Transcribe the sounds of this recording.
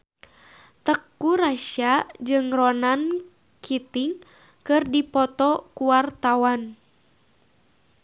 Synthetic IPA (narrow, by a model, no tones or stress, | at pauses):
t̪əkːuɾaʃad͡ʒɨŋrɔnan | kʰit̪iŋ | kɨrdipɔt̪ɔkuwart̪awan